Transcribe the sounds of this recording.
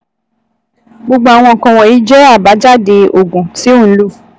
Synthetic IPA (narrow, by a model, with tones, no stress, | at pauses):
ɡ͡bo˧ɡ͡bo˧a˨w̃ɔ̃˧˨kã˧wɔ˨i˨˦d͡ʒɛ˦a˦˨ba˨˦d͡ʒa˦˨de˧o˨ɡũ˨ti˨˦o˦˨˦lu˦˨